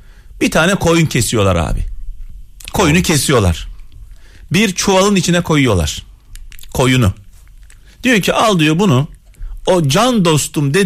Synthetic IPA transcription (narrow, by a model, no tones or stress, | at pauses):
b̥it̪ʰaːnɛkʰo̞juncʰesijo̞lˠaɾa̰ːbɪ̰ | kʰo̞junucʰe̞sijo̞lˠa̰ɾ̥ | biɾt͡ʃʰualˠɯnit͡ʃʰinɛkʰo̞jujo̞lˠa̰ɾ̥ | kʰo̞junʊ | d̪̥ijoɾcʰiʔalˠd̪ɯjobunuod͡ʒand̪o̞st̪umd̪e̞